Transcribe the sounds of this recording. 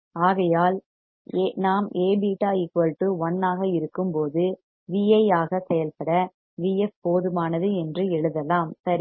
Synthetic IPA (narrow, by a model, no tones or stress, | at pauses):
aːɣɐjaːl | naːmeːbiːʈaːɪkːɐɻʈːɯʋɐnːaːɣɐɪɾɯkːɯmpoːðɯ | ʋiːɐaːɣɐsɛjɐlpɐɽɐ | ʋiːɛfpoːðɯmaːnɐðɯɛndrɯɛɻɯðɐlaːmsɐɾi